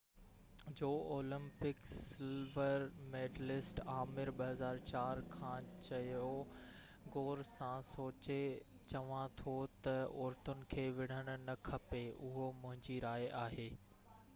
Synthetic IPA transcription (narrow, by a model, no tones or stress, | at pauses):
d͡ʑoːoːlɪ̃mpɪksɪlʋəɾmeːɖlɪsʈaːmɪɾɓɐɦɐzaːɾt͡ɕaːɾkʰãːt͡ɕɐjo | ɡoːɾsãsoːt͡ɕe | t͡ɕɐʋãt̪ʰot̪ɐʊɾt̪ʊnɪ̆kʰeːʋɪɽ̤əɽ̃ʊ̆nɐkʰɐpeʊɦomʊ̃ɦɪ̃ɲd͡ʑiɾaːeaːɦeː